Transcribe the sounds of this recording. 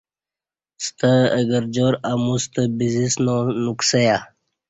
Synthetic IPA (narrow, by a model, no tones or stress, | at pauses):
st̪əə̰ɡəɾd͡ʑoːɾamust̪əbizisnonuksəja